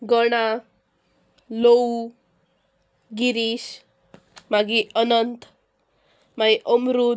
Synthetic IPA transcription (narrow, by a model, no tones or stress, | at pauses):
ɡʌɽa | low | ɡiɾis | maɡiʌnʌnt̪ | majʔəmɾu